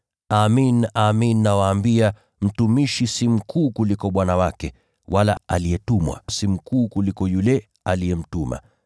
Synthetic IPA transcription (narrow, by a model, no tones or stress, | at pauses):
aminaminːawaːmbia | m̩tumiʃisim̩kʰuːkulikɔɓwanawakɛ | wala̰alijɛtumwa̰simukuːkulikɔjulɛ | alijɛm̩tuma̰